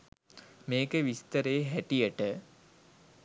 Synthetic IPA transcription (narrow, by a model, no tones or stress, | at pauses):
meːkəʋist̪əɾejɦæʈijəʈə